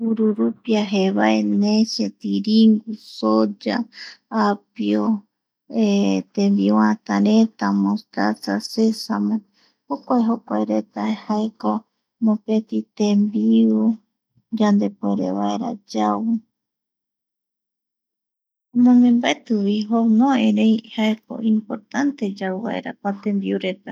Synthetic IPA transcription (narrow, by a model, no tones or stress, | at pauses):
uɾuɾupiaɦeβaenẽʃet̪iɾiŋɡusod͡ʒaː | pio | et̪embiwãt̪aɾet̪amost̪asasesamõ | hokʷaeɦokʷaeɾet̪aehaeka | mõpet̪it̪embiu | d͡ʒand̪e̞pueɾeβaeɾa̰d͡ʒawu | omõmẽmbaet̪uwiɦonõẽɾẽjhaeko̰ĩmpoɾt̪ant̪e̞d͡ʒawβa̰ḛɾa̰pat̪ẽ̞mbiuɾe̞t̪a